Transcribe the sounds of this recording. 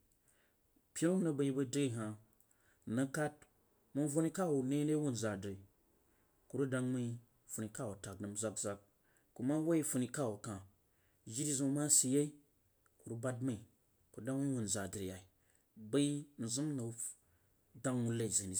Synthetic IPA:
pʲi˦ɾu˦nə˨ba˨i˦bə˦de˦˨ɦa˨ | na˧ka˦t̚ | mu˦nvo˦ni˦ka˦˨wu˨ne˦ne˦wu˦n̩˨za˨dɾe˨ | ku˨ɾu˦da˧ŋma˦i˦ | fu˨ni˨ka˦˨wu˨ta˨k̚nə˨mza˦kza˨k̚ | kːu˨ma˦wa˦i˦fu˨ni˨ka˦˨wu˨kã˨ | ʒi˦ɾi˦zu˨˦ma˦si˨je˦i˦ | ku˨ɾu˦ba˦dma˦i˨ | ku˨da˦ŋ˦wu˨n˨za˨dɾe˨ja˨i˨ | ba˦i˦n̩˨zu˦mna˨˦ | da˦ŋwu˦le˦˨i˨ze˨ni˨

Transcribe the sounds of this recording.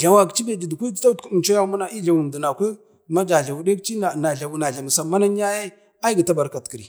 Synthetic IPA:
ɮa˨wa˨kt͡ʃi˦be˨d͡ʒi˨dkʷu˦dta˦tkt͡ʃo˦ja˦mu˦na˨i˦ɮa˨wu˨n˨du˨na˨kʷe˦ | ma˦d͡ʒa˨ɮa˨wu˨de˦kt͡ʃi˦na˨na˨ɮa˨wu˨na˨ɮa˨m˨sa˨ma˦na˦n˦a˦je˦ | a˦ɡa˨ta˦ba˨ɾka˨tki˨ɾi˨

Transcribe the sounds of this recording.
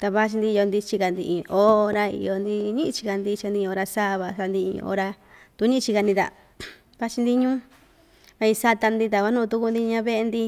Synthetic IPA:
t̪a˧βa˦t͡ʃi˧nd̪i˧o˧nd̪i˧t͡ʃi˧ka˧˨nd̪ḭ˧ʔĩ˨˧ʔo˦ɾa˧ḭ˨˧jo˧nd̪i˧ɲĩ˦ʔt͡ʃi̥˧ka˧nd̪i˧t͡ʃa˧nd̪ĩ˧o˧ɾa˧sa˦˧βa˧sa˧nd̪i˧ḭ̃˧o̰˧˦ɾa˧ | t̪u˧˦ɲĩ˦˧t͡ʃi˧ka˧nd̪ĩ˧t̪a̰˨ | βa˦t͡ʃi˧nd̪i˧ɲũː˦ | βa˧i˧sa˧t̪a˧nd̪i˧t̪̬a˧˨ka˧˦nũː˦˧t̪u˧ku˧nd̪i˧ɲã˧βe˦ʔe˧nd̪i˧

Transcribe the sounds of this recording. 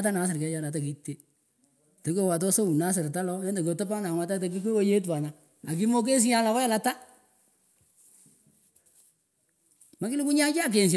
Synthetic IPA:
t̬a˦na˨˦s̬ɪ˨ɾkɛ˨˦t͡ʃa˨na˨t̬a˨k̬i˨˦tːe˦ | te˨ke˦wa˨t̬ɔ˦so˦u˨na˦s̬ɪ˨ɾta˦lɔ˦ɛ˦nde˨k̬o˨tɔ˦pa˦na˨ŋwa˦ta˦te˨k̬i˦k̬e˦wo˦je˦t̬wa˨na˨ | a˨k̬ɪ˦mo˦k̬e˦s̬i˦ja˦la˨wa˦jɛ˦la˨ta˦ | ma˦kɪ˦lɪ˦ku˦ɲa˦t͡ʃa˦a˦˨k̬e˨ns̬

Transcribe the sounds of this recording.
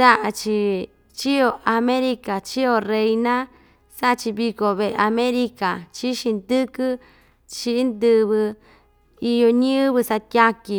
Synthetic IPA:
sa˦ʔa˧t͡ʃi˧ | t͡ʃi˦o˧ʔa˧mẽ˦ɾi˧ka˨t͡ʃi˦o˧˨re˧jnã˦ | sa˦˧t͡ʃi˧βi˧ko˧βe˧ʔe˧a˧mẽ˦ɾi˧ka˨t͡ʃi˦ʃĩ˧nd̪ɨ˦kɨ˦ | t͡ʃi˧˦nd̪ɨ˧βɨ˧ | i˧jo˧ɲĩ˦βɨ˧sa˧t̪ʲja˧ki˧

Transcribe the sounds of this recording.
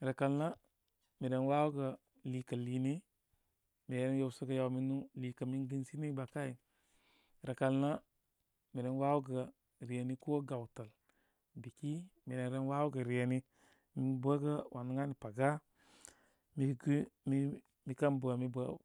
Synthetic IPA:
ɾa˨ka˨lna˦ | mi˨ɾe˨nwa˦wu˦ɡa˨ | liː˨ka˨li˨ni˦ | mi˨ɾe˦n˦jo˦˨wsa˦ɡa˦ja˨wmi˦nu˦liː˨ka˨mi˦ŋɡi˦nsi˦ni˦ba˨ka˦i˨ | ɾa˨ka˨lna˦ | mi˨ɾe˨n˦wa˦wu˦ɡa˨ | ɾi˨e˨ni˦ku˦o˦ɡa˨wta˨l | bi˨ki˦mi˨ɾe˨nɾe˦nwa˦wu˦ɡa˨ɾi˨e˨ni˦ | mi˦ba˦ɡa˦wʔa˨nu˦ŋa˦ni˨pa˨ɡa˦ | mi˦ɡmi˦ | mi˦ka˦nbu˨a˨mi˦ba˦

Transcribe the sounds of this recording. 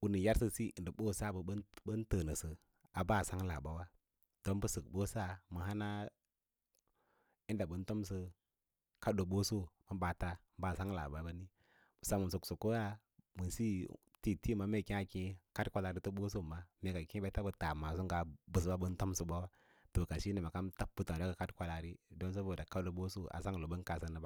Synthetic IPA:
u˨ni˨ja˦ɾsə˦si˦˨ndə˨ɓo˦˨sa˦˨bə˨˦bə˦ntə˨nə˨sɨ˨ | a˨ba˦˨sa˦ŋla˨ba˨wa˦ | d̥o˦nbə˦sə˨k̚ɓo˦sa˦˨mə˨ɦa˦na˦ | i˦nda˨bə˨˦n˦to˦ms̬ə˦ | ka˦do˨ɓo˦so˦mə˨˦ɓa˨ta˦ba˦˨sa˦ŋla̰˨ba˨ba˦ni˦˨ | sa˨mu˨su˨ksu˨ko˦ja˦ | mə˨si˦ | ti˦ti˦˨ma˨me˦kĩ˦a˨kĩ˦ka˦tkʷa˦la˨ɾi˦tu˦bo˦s̬o˦˨ma˦me˨ka˨kĩ˦ba˦ta˦bə˨ta˨ma˨s̬u˦ŋɡa˨bu˨s̬ba˦bə˦nto˦msu˦ba˦wa˦ | to˨ka˨ʃi˦ni˨ma˨ka˦mta˦bu˦ta˨˦o˦a˨ka˦dkʷa˦la˨ɾi˦do˦ns̬o˦bo˨da˨ka˦do˨bo˦so˦a̰˨sa˦ŋ˨lo˨bə˦nka˨sə˦nə˨b

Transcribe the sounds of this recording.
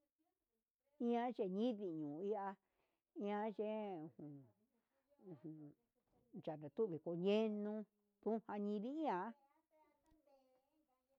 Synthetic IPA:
ĩ˦ã˦ʒe˧ɲĩ˦ði˧˨ɲũː˨i˧a˧ | ĩ˦ã˧˦ʒe˦ũ˨hũ˨ | ũ˨hũ˨ | t͡ʃa˨nã˨t̪u˦βi˨ko˧ɲẽ˦nũ˧ | t̪ũ˦hã˧ɲĩ˧ðĩ˦ĩ˦ã˧˦

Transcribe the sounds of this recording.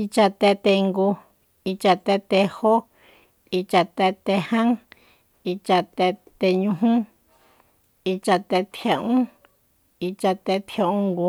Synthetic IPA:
i˧t͡ʃa˧t̪e˧t̪e˧ŋɡu˧ | i˧t͡ʃa˧t̪e˧t̪e˧ho˦ | i˧t͡ʃa˧t̪e˧t̪e˧hã˦ŋ | i˧t͡ʃa˧t̪e˧t̪e˧ɲũ˧ɦũ˦ | i˧t͡ʃa˧t̪e˧t̪ʰja˧ʔũ˦ | i˧t͡ʃa˧t̪e˧t̪ʰja˧ũ˧ŋɡu˧

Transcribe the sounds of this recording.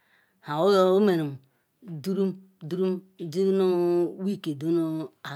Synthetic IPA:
hã˨o˦o˦o˦me˨ɾu˨m˨ | du˦ɾu˦m | du˦ɾu˦m | d͡ʒi˦no˦wi˦ke˨do˦no˦a˨

